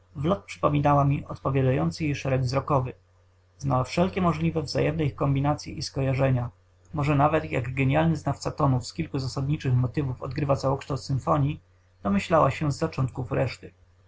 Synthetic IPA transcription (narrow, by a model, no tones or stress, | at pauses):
vlɔt̪̚pʂɘ̥pɔmʲinawamʲiʔɔt̪̚pɔvʲjad̪ajɔnt̪sɘjejʂɛɾɛɡvzɾɔkɔvɘ | znawafʂɛlkʲɛmɔʐlʲivɛvza̰jɛmnɛikɔmbʲinat̪sʲjiʔiskɔjaʐɛɲa | mɔʐɛnavɛt̪ja̰ɡɡɛɲalnɘznaft̪sat̪ɔnufskʲilkuzasad̪ɲit͡ʂɘxmɔt̪ɘvufɔ̰d̪ɡɾɘvat̪sawɔkʂt̪awt̪sɘnfɔɲi | d̪̥ɔmɘɕlawa̰ɕɛzːat͡ʂɔnt̪̚kufɾɛʂt̪ɘ